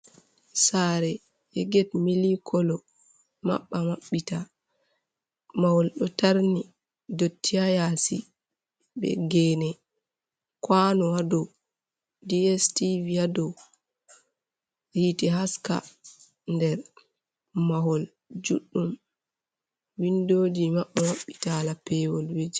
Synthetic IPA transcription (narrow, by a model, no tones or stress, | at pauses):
saɾɛ | ʔɛɡɛtmilikʰɔlɔ | ma̰ɓːamaɓːita | mahɔlɗɔtaɾni | dotʰːiajasi | bɛ̰ɡɛnɛ | kwanɔwadɔ | diɛstiviadɔw | hiːtɛɦaska̰ | ndɛɾ | maɦɔl | d͡ʒuɗːum | windoːd͡ʒimaɓːamaɓːitalapɛwɔlwed͡ʒi̥